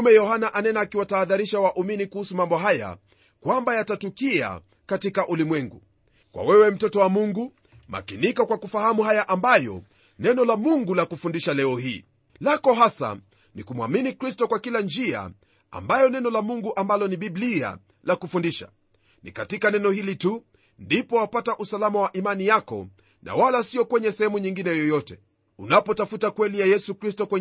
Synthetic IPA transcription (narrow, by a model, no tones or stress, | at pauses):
umɛjɔɦanaʔanɛnaːkiwataːðaɾiʃawaʔuminikuhusumambɔɦaja̰ | kwambajatatukia̰ | katikaʔulimwɛŋɡṵ | kwa̰wɛwɛm̩tɔtɔwamuŋɡu | ma̰kinikakwakufahamuɦajaʔambajɔ̰ | nɛnɔlamuŋɡulakufundiʃalɛɔhiː | lakɔɦasa̰ | nikumwaminikɾistɔkwakiland͡ʒia̰ | a̰mbajɔnɛnɔlamuŋɡuʔambalɔniɓiblia̰ | lakufundiʃa̰ | nḭkatikanɛnɔhilitu | ndipɔwapataʔusalamawaʔimanijakɔ̰ | nʔa̰walasiɔkwɛɲɛsɛhɛmuɲiŋɡinɛjɔjɔtɛ | unapɔtafutakwɛlijajɛsukɾistɔkwɛ